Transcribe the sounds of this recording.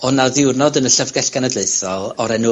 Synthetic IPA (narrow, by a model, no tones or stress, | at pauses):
ɔnaðɪwrnɔdənəɬəvɡɛɬɡ̥anədleɨθɔlˠɔɾɛnʊ